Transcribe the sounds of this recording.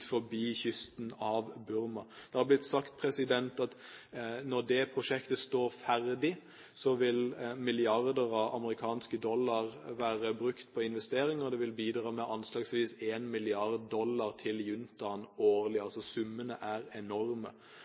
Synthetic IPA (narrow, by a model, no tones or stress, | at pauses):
fɔbiːçʏst̪nɑʋbʉɾmɑd̪̥ɛhɑblɪt̪ːsɑkt̪̚pʰɾɛsɪd̪ɛnt̪ɑt̪nɔd̪ɛpʰɾʊʃɛkt̪əst̪oːɾfæʁd̪ɪ | sɔʋɪlmɪlɪɑʁd̪əʁɑʋɑ̰məɾɪkʰɑːnskəd̪ɔlːɑʁʋæːʁəbɾʉkt̪pʰɔɪnʋɛst̪eːɾɪŋɔd̪ɛʋɪlbiːd̪ɾɑːmɛʔɑnslɑːɡsʋiːseːnmɪlɪɑʁd̪̚ːɔlːɑʁt̪ʰɪljʉnt̪ɑnoːʁlɪɑlsɔsʉmːənəʔæːʁɛnɔɾmə̰